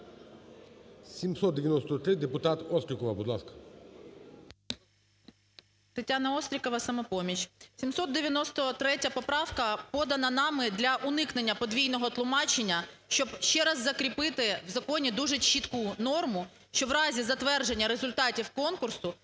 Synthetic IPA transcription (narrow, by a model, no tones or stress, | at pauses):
sʲimsɔt̪̚d̪eʋjɐnɔst̪ɔt̪ɾɪd̪epʊt̪ɑt̪ɔst̪ɾʲɪkɔʋɐbʊd̪lˠɑskɐ̥ | t̪etʲanɐɔst̪ɾʲikɔʋɐsɐmɔpɔmʲit͡ʃsʲimsɔt̪̚d̪eʋʲjɐnɔst̪ɔt̪ɾɛtʲɐpɔpɾɑwkɐpɔd̪ɐnɐnɑmɪd̪lʲɐʔʊnɪkne̞nʲːɐpɔd̪ʋʲijnɔɦɔt̪lˠʊmɑt͡ʃenʲːɐ | ʃt͡ʃɔbʃt͡ʃɛɾɐzːɐkɾʲipɪt̪ɪwzɐkɔnʲid̪uʒɛt͡ʃit̪kunɔrmʊ | ʃt͡ʃɔwɾɑzʲizɐt̪ʋɛrd͡ʒenʲːɐɾe̞zʊlʲt̪ɑtʲiwkɔnkʊrsʊ